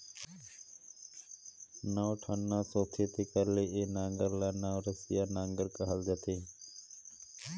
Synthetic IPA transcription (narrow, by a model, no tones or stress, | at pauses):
nãːʋʈʰənːãːsoːt̪ʰeːt̪eːkəɾleːʔeːnãːŋɡəɾlaːnaːɾəsɪjaːnãːŋɡəɾkəɦəld͡ʒət̪ʰeː